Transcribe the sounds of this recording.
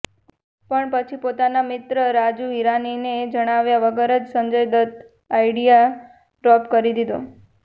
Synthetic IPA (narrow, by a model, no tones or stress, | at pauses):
pəɳpət͡ʃʰipot̪anamɪt̪ɾəɾad͡ʒuiɾanined͡ʒəɽ̃aʋjaʋəɡəɾəd͡ʒsəɲd͡ʒəjd̪ət̪ | ajɖija | ɖɾɔpkəɾid̪id̪o